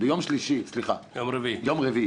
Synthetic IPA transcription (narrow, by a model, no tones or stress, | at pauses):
bəjomʃliʃisliχa̰jomɾəvijomʁəvi